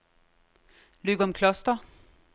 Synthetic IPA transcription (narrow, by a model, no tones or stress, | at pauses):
lʉɡɔmkʰlɑst̪ɑ